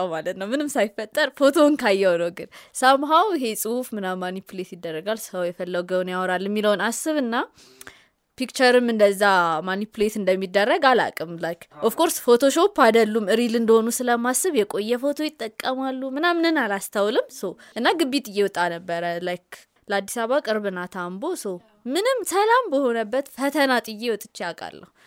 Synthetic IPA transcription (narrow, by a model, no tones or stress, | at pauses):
malət̪nəwmɨnɨmsajfət̪ʼːəɾfo̞t̪ʰo̞ŋkʰajːɛwnəwɡɨnsamɦawɪɦe̞sʼɨhufmɨnamanipʰulet̪jɪd̪ːərːəɡalsɨ̥həwjɛfəlːəwɡəwnjawɾalːjɛmːiləwnasɨβɨnːa | pikt͡ʃəɾɨmɨnd̪əzːamanipʰulet̪ɨnd̪əmːid̪ːərːəɡala̰kʼɨmlajkʔofkʰoɾsfo̞t̪ʰo̞ʃo̞pːad̪əlːumɨɾilɨnd̪əho̞nusɨləmasːɨβjɛkʼo̞jːɛfo̞t̪ʰo̞jɪt̪ʼːəkʼːəmalːumɨnamɨnɨnalast̪ʰawlɨmsəwʔɨnːaɡɨbːit̪ʼɨjːɛwɔt̪ʼːanəbːəɾəlajkː | ləad̪ːisaβakʼɨɾβɨnat̪ʰambo̞səw | mɨnɨmsəlambəho̞nəbːət̪fət̪ʰənat̪ʼɨjːewɔt̪ʼːɨt͡ʃːiakʼa̰lːə̰hu